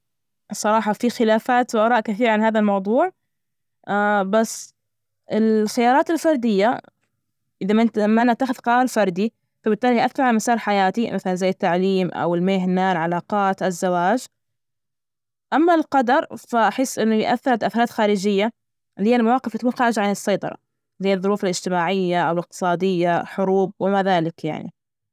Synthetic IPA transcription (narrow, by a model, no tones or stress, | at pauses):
sˤːɑɾˤɑːħɑfixɪlaːfaːt̪wʔɑɾˤɑːʔkaθiːɾʕanhaːðalmɑwðˤuːʕ | basː | ʔɪlxɪjɑːɾˤɑːt̪ɪlfɑɾˤd̪ɪjːa | ʔɪðamɪt̪mːanːat̪ːaːxʊðqɑːlfɑɾˤd̪i | fabɪt̪ːaːlihʔaθɑɾʕamasɑːɾˤħajaːt̪imaθalanzajːɪt̪ːaʕliːmʔa̰wɪlmeɦnaːlʕalɑːqɑːt̪ʔazːawaːd͡ʒ | ʔamːalqɑd̪ɑɾˤfaʔaħɪsːʔɪnːʊjʔa̰θːɪɾat̪ʔaθɾˤɑːt̪xaːɾɪd͡ʒɪjːa | lhɪjːalmawɑːqɪft̪akuːnxaːɾɪʒaʕanɨsˤːɑjt̪ˤɑ̰ɾˤɑ̰ | zɪjːaðˤːʊɾuːfalɪd͡ʒt̪ɪmaːʕɪjːaʔawlɪq̚t̪ɨ̥sˤɑːd̪ɪjːaħʊɾuːb̚wɪmaðaːlɪkja̰ʕnḭ